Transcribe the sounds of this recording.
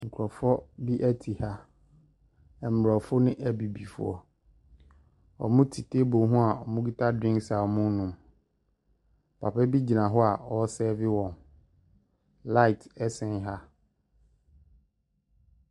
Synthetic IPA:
ŋ̩˨kʰʊ˨ɾɔ˨fɔ˦bi˦ʔɛ˦tʰi˨ha˦ | ɛ˨m̩˨ɾɔ˨fʊ˦nɪ̃˦ʔæ˦bi˨bi˨fʊ˦ɔ̰˨ | ɔ̰˨mʊ̃˦tʰi˨tʰe˦bo˨ɦũ˦a˨ɔ˨mʊ̃˦ɡi˦tʰa˦dĩ˦ŋksa˨ɔ˨mʊ̃˦nũ˨m˨ | pʰa˨pʰɛ˦bi˦d͡ʑi˨nã˨ɦɔ˦a˨ɔ˨˦sɛː˦vɪ˦wɔ̃˨n | la˦ɪ˨tʰɛ˦sɛ̃˦nɦa˦

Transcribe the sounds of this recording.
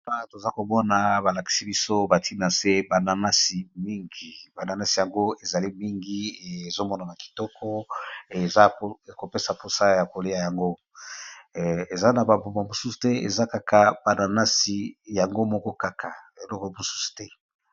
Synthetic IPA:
pa˦˨to˨za˦ko˨mɔ˦na˨ba˨la˨ki̥˨si˦bi˦so˦ba˨tʰi˦na˨se˦ba˨na˨na˦si˨mi˦ŋɡi˨ba˨na˨na˦si˨ja˨ŋɡo˦e˨za˨li˦mi˦ŋɡi˦˨e˨zo˦mɔ˦na˨ba˨ki̥˨tɔ˦kʰɔ˦e˨za˦˨ko˨pe˦sa˨po˨sa˦ja˨ko˨le˦ja˨ja˨ŋɡo˦ | e˨za˦na˨ba˨bo˨mba˨mo˨su˦su̥˨tɛ˦ḛ˨za˦ka˦ka˨b̥a˨na˨na˦si˨ja˨ŋɡo˦mɔ˦kɔ˦ka˦kʰa˨e˨lɔ˦kɔ˨mo˨su̥˦su̥˨tɛ˦

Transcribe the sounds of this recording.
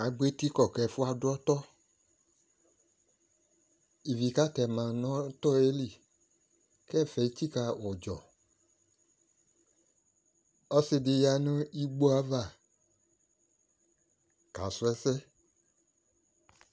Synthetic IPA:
a˨ɡ͡be˦ti˦kɔ˦˨kɛ˨˦fu˦a˧dɔ˦tɔ˦ | i˨vi˨ka˦tɛ˨mã˨nɔ̃˨˦tɔ˦e˦li˦˨ | kɛ˦˨fɛ˨i˦t͡ʃi˦ka˧wɔ˨d͡ʒɔ˨ | ɔ˦se˧de˧ja˧nõ˦i˦ɡ͡bo˦a˨˦va˦˨ | ka˨su˧˦ɛ˦sɛ˦

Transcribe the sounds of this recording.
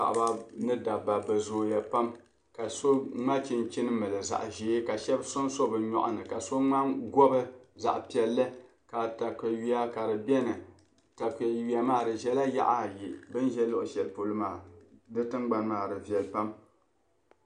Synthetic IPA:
a̰˨ʔba˦nɨ˦da˨ba˨bɨ˨zoː˨ja˨pa˦m | ka˨so˦ŋ͡ma˦t͡ʃi˦˨nt͡ʃɪ˦nɨ˦mɨ˨lɨ˨za̰˨ʔʒe˨˦ka˨ʃɛ˦bso˦nso˦bɨ˨ɲɔ̰˨ʔʊ̰˨nɨ˨ka˨so˦ŋ͡ma˦ɡɔ˦bɨ˦za̰˨ʔpi˨ɛ˨lːɨ˦ | ka˨ta˨kɨ˨ɥi˦a˦ka˨ɾɨ˨bɛ˦nɨ˨ | ta˨kɛ˨wi˨˦a˨maː˦˨dɨ˨ʒɛ˦la˦ja̰˦ʔa˦˨ji˨bɨ˦nʒɛ˦lo˦ʔʊ˨ʃɛ˨lpo˨lɨ˦maː˨dɨ˦tɨ˦mɡ͡ba˦nmaː˨dɨ˨vi˨ɛ˨lpa˦m

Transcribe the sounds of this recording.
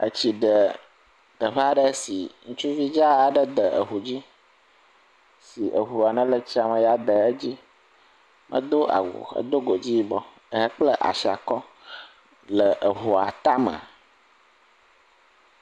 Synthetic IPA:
ə̰˦t͡ɕi˨ɖə˨ | d̪̥ə˨ɸa˦ɖə˦si˨ŋũ˦t͡ʃu˦vi˦d͡ʒa˦a˨ɖə˦d̪ə˨ʔə˨ɦu˨d͡ʑi˦ | si˨ʔə˨ɦu˨a˨nə̃˦lə˨t͡ɕi˦a˨mə̃˨ja˨d̪ə˨ə˦d͡ʑi˦ | mʔə̰̃˦d̪o˦a̰˨wṵ˨ə̰˦d̪o˦ɡo˨d͡ʑi˦bɔ˦ | ə˦ɦə˦k͡plə˦ʔa̰˨si˨a̰˨kɔ˦ | lə˨ʔə˨ɦu˨a̰˨t̪a˦mə̰˨

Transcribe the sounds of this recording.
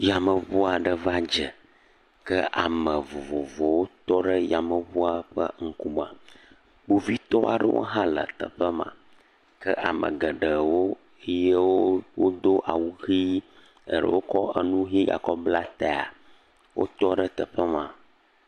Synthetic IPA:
ja˨mə˨vu˦a˨ɖə˨va˦d͡ʒə˨ | kə˦ʔa̰˨mə˨vo˨vo˨vɔ˨wo˦t̪ɔ˦ɖə˦ja˨mə˨vu˦a˦ɸə̰˦ŋ̩˦ku˦mã˨ | bo˨vi˦t̪ɔ˦ʔa˨ɖə̰˦wʔo̰˦ɦã˦lə̰˨t̪ə̰˨ɸə˦mã̰˨ | kə˦ʔa˨mə̰̃˨ɡə˨ɖə˨wo˦ | ə˦je˦wo˦wo˦d̪o˦ʔa˨wu˦xi˦ | ə˨ɖə̰˨wʔo˦kɔ˦ə˦nũ˦ɦĩ˦ja̰˨kɔ˦bbla˦t̪a˨a̰˨ | wʔo̰˦t̪ɔ˦ɖə˦t̪ə˨ɸə˦mã˨

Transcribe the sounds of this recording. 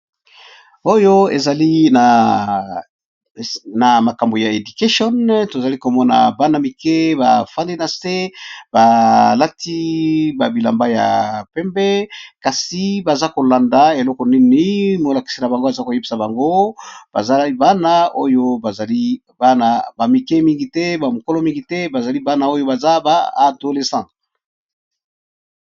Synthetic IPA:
o˦jo˦e˨za˨li˦na˨ | na˨ma˨ka˨mbo˨ja˨e˨du˨ke˦ʃɔ˦nto˨za˨li˦ko˨mɔ˦na̰˨ba˦na˦mi˨ke˦ba̰˨fa˦ndi˦na˨se˦ba˨la˦ti˦ba˨bi˨la̰˨mba˦ja̰˨pɛ˦mbɛ˦ka˨si˨ba˨za˦ko˨la˨nda˨e˨lɔ˦kɔ˨ni˦ni˨˦mo˨la˨ki̥˨si˦na˨ba˨ŋɡo˦a˨za˦ko˨je˦bi˨sa˨ba˨ŋɡo˦ba̰˨za˦ba˦na˦o˦jo˦ba˨za˨li˦ | ba˦na˨ba˨mi˨kɛ˦mi˦ŋɡi˨tɛ˦ba˨mo˨ko˦lɔ˦mi˦ŋɡi˨tɛ˦ba˨za˨li˦ba˦na˦o˦jo˦ba˨za˦baː˦˨do˨le˨sɑ̃˨

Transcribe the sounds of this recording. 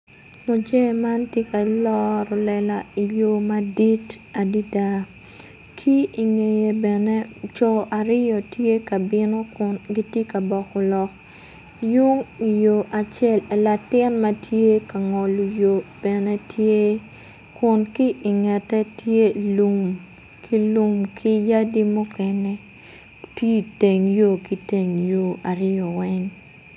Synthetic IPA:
mo˨d͡ʒe˦˨ma˦ntje˦ka˨lɔ˦ɾɔ˨lɛ˨la˨i˨jo˦ma˦di˦ta˨di˦da˦ | kʰi˦i˨ŋe˨je˨bɛ˨ne˦t͡ʃɔ˨ʔa˨ɾɪ˦jɔ˨tje˦ka˨bɪ˦no˦kʊ˦nɡi˦tje˦ka˨bɔ˨kɔ˨lɔ˨k̚ | ju˦ŋi˨jo˨ʔa˨t͡ʃɛ˦le˨la˨tɪ˦nma˦tʰje˦ka˨ŋɔ˨lu˨jo˨b̥ɛ˨nɛ˦tje˦ | kʊ˨nki˦ʔɪ˨ŋɛ˨tɛ˦tje˦lu˨m | kʰi˦lu˦mkʰi˦ja˦di˦mʊ˦kɛ˦nɛ˦ | ti˦˨te˨ŋjo˦ki˦te˨ŋjo˦˨a˨ɾɪ˦jɔ˨wɛ˦ɲ

